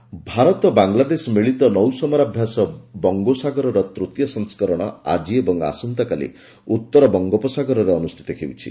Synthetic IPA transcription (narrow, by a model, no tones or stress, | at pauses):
bʱaɾɔt̪ɔbaŋlad̪esɔmiɭit̪ɔnɔwsɔmɔɾabʱjasɔbɔŋɡosaɡɔɾɔɾɔt̪ɾut̪jɔsɔ̃ŋskɔɾɔɽ̃ɔa̰d͡ʒiebɔŋa̰sɔnt̪ɔkalḭ | ut̪ːɔɾɔbɔŋɡɔpɔsaɡɔɾɔɾeɔnust̪ʰi̥t̪ɔkʰewt͡ʃʰḭ